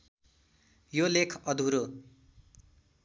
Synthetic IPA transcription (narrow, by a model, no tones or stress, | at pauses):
jolekʰʌd̪ʱuɾo